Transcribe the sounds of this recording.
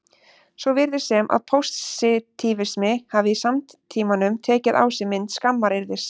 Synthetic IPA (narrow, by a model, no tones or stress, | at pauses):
svɔvɪɾðɪ̥sɛmʔa̰ðpʰowst̪sɪt̪ʰiːvɪsmɪhaːvɪisamt̪t̪ʰiːmanʏmt̪ʰɛːcɪða̰ːwsɪmɪnt̪skamːaɾɪɾðɪs